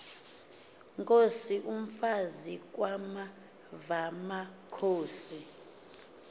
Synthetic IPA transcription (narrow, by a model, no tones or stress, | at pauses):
ŋkʼosiʔum̩fazik̬ʼwama | vamakʰoːsi